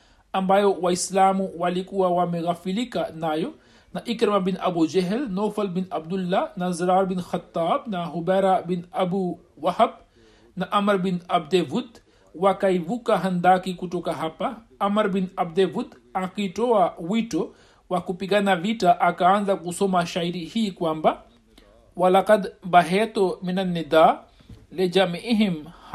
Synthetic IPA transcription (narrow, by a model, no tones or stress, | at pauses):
ɐmbajowaislaːmuwalikuwawameɣafilikanaːjo | naʔikɾɐmabinɐbud͡ʒeɦɛlnofɐlbinɐbd̪ulːanɐzɾaːɾbinxɐt̪ːaːbnaɦubɛɾabinɐbu | wɐhɐb̚ | naʔɐmɐɾbinɐbd̪evud̪ | wakɐjʋukaɦɐnd̪aːkikuʈokaɦɐpːa | ɐmɐɾbinɐb̚d̪eʋut̪ | akiʈoawiʈo | wakupiɡanaʋiʈaʔakaːnlɐk̚ɣusomaʃaiɾihikwamba | wɐlɐqɐd̪bɐɦeːt̪ominɐnːid̪aː | led͡ʒamiʔiɦimh